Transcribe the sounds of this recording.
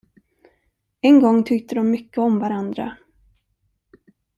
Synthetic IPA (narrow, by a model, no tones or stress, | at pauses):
ɛnɡɔŋːt̪ʰʏkt̪əd̪ɔmːʏkːəɔmvaɾand̪ɾa̰